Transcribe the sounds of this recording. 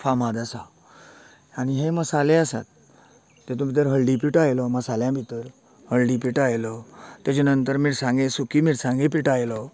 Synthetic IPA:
famad̪asa | añiɦeməsaleasa̰t̪ː | et̪ũbʱit̪̬əɾɦəɭɖipiʈajlɔməsaljãbʱit̪əɾ | həɭɖipiʈajlɔt̪jat͡ɕenənt̪əɾmiːɽsãŋɡesukimiːɽsãŋɡep̬iʈajlɔ

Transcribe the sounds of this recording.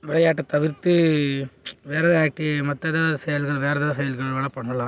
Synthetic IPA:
ʋɪɭɐjaːʈːɐt̪ɐʋɪɾt̪ːɯ | ʋeːɾɐðaːk̚ʈimɐt̪ːɐðɐsɛjɐlɣɐɭʋeːɾɐðɐðɐsɐjɐlɣɐɭɐʋeːɭɐpɐɳːɐlã

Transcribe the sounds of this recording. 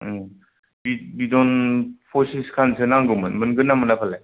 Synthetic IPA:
bibidɔnpʰosiskʰansʰɯnaŋɡɯmɯnmɯnɡɯnːamɯnapʰalaj

